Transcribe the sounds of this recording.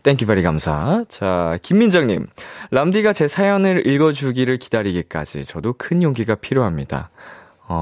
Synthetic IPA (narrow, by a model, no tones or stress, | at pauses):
t͈enkibaɾiɡamsʰat͡ɕakimːind͡ʑʌŋɲḭmlamdiɡat͡ɕe̞sʰajʌnɯɾiɭɡʌd͡ʑuɡiɾɯɭki̥daɾiɡik͈a̰d͡ʑḭt͡ɕʌdokʰɯnjoŋɡiɡapʰiɾjoɦamɲid̥a̰ | ʌ